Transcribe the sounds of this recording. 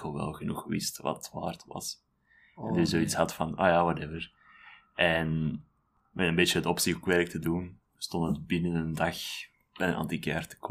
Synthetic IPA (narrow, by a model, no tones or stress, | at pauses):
olˠʋɛ̰lˠɣənuxʋɪ̰stʋɑ̰tətʋa̰ːrtʋɑ̰s | ndɪzoːitshɑtfɑno̰ːjawɑtɛvər | ʔɛn | mɛtəmbeːt͡ʃəətɔpsɪɣukʋɛrk̚tʰədun | stɔntətbɪnənəndɑx | b̥ɛənɑ̰ntikɛ̰rtə̥k